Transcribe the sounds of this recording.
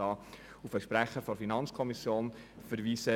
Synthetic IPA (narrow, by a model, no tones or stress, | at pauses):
ɑː | ufəʃpɾæχːəɾfɔɾfinɑnt͡skʰɔmisjoːnfəɾʋiːsə